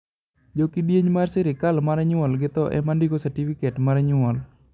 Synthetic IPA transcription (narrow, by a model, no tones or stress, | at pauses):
d͡ʒokidjeɲmarsɛɾɪkalmaɾɛɲʊɔlɡɪt̪ɔʔɛ̰mandikosɛɾtifiketmaɾɛɲʊɔl